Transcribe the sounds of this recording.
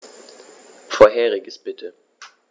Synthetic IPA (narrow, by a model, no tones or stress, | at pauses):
foɐɦɛːʁɪɡəsb̥ɪtʰə